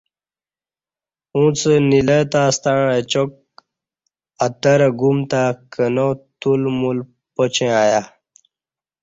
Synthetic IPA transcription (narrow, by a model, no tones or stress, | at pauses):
ũt͡sənilət̪aːst̪aɻet͡ɕok̚ | at̪əɾəɡumt̪akʰənot̪ulmul | pət͡ɕẽaːja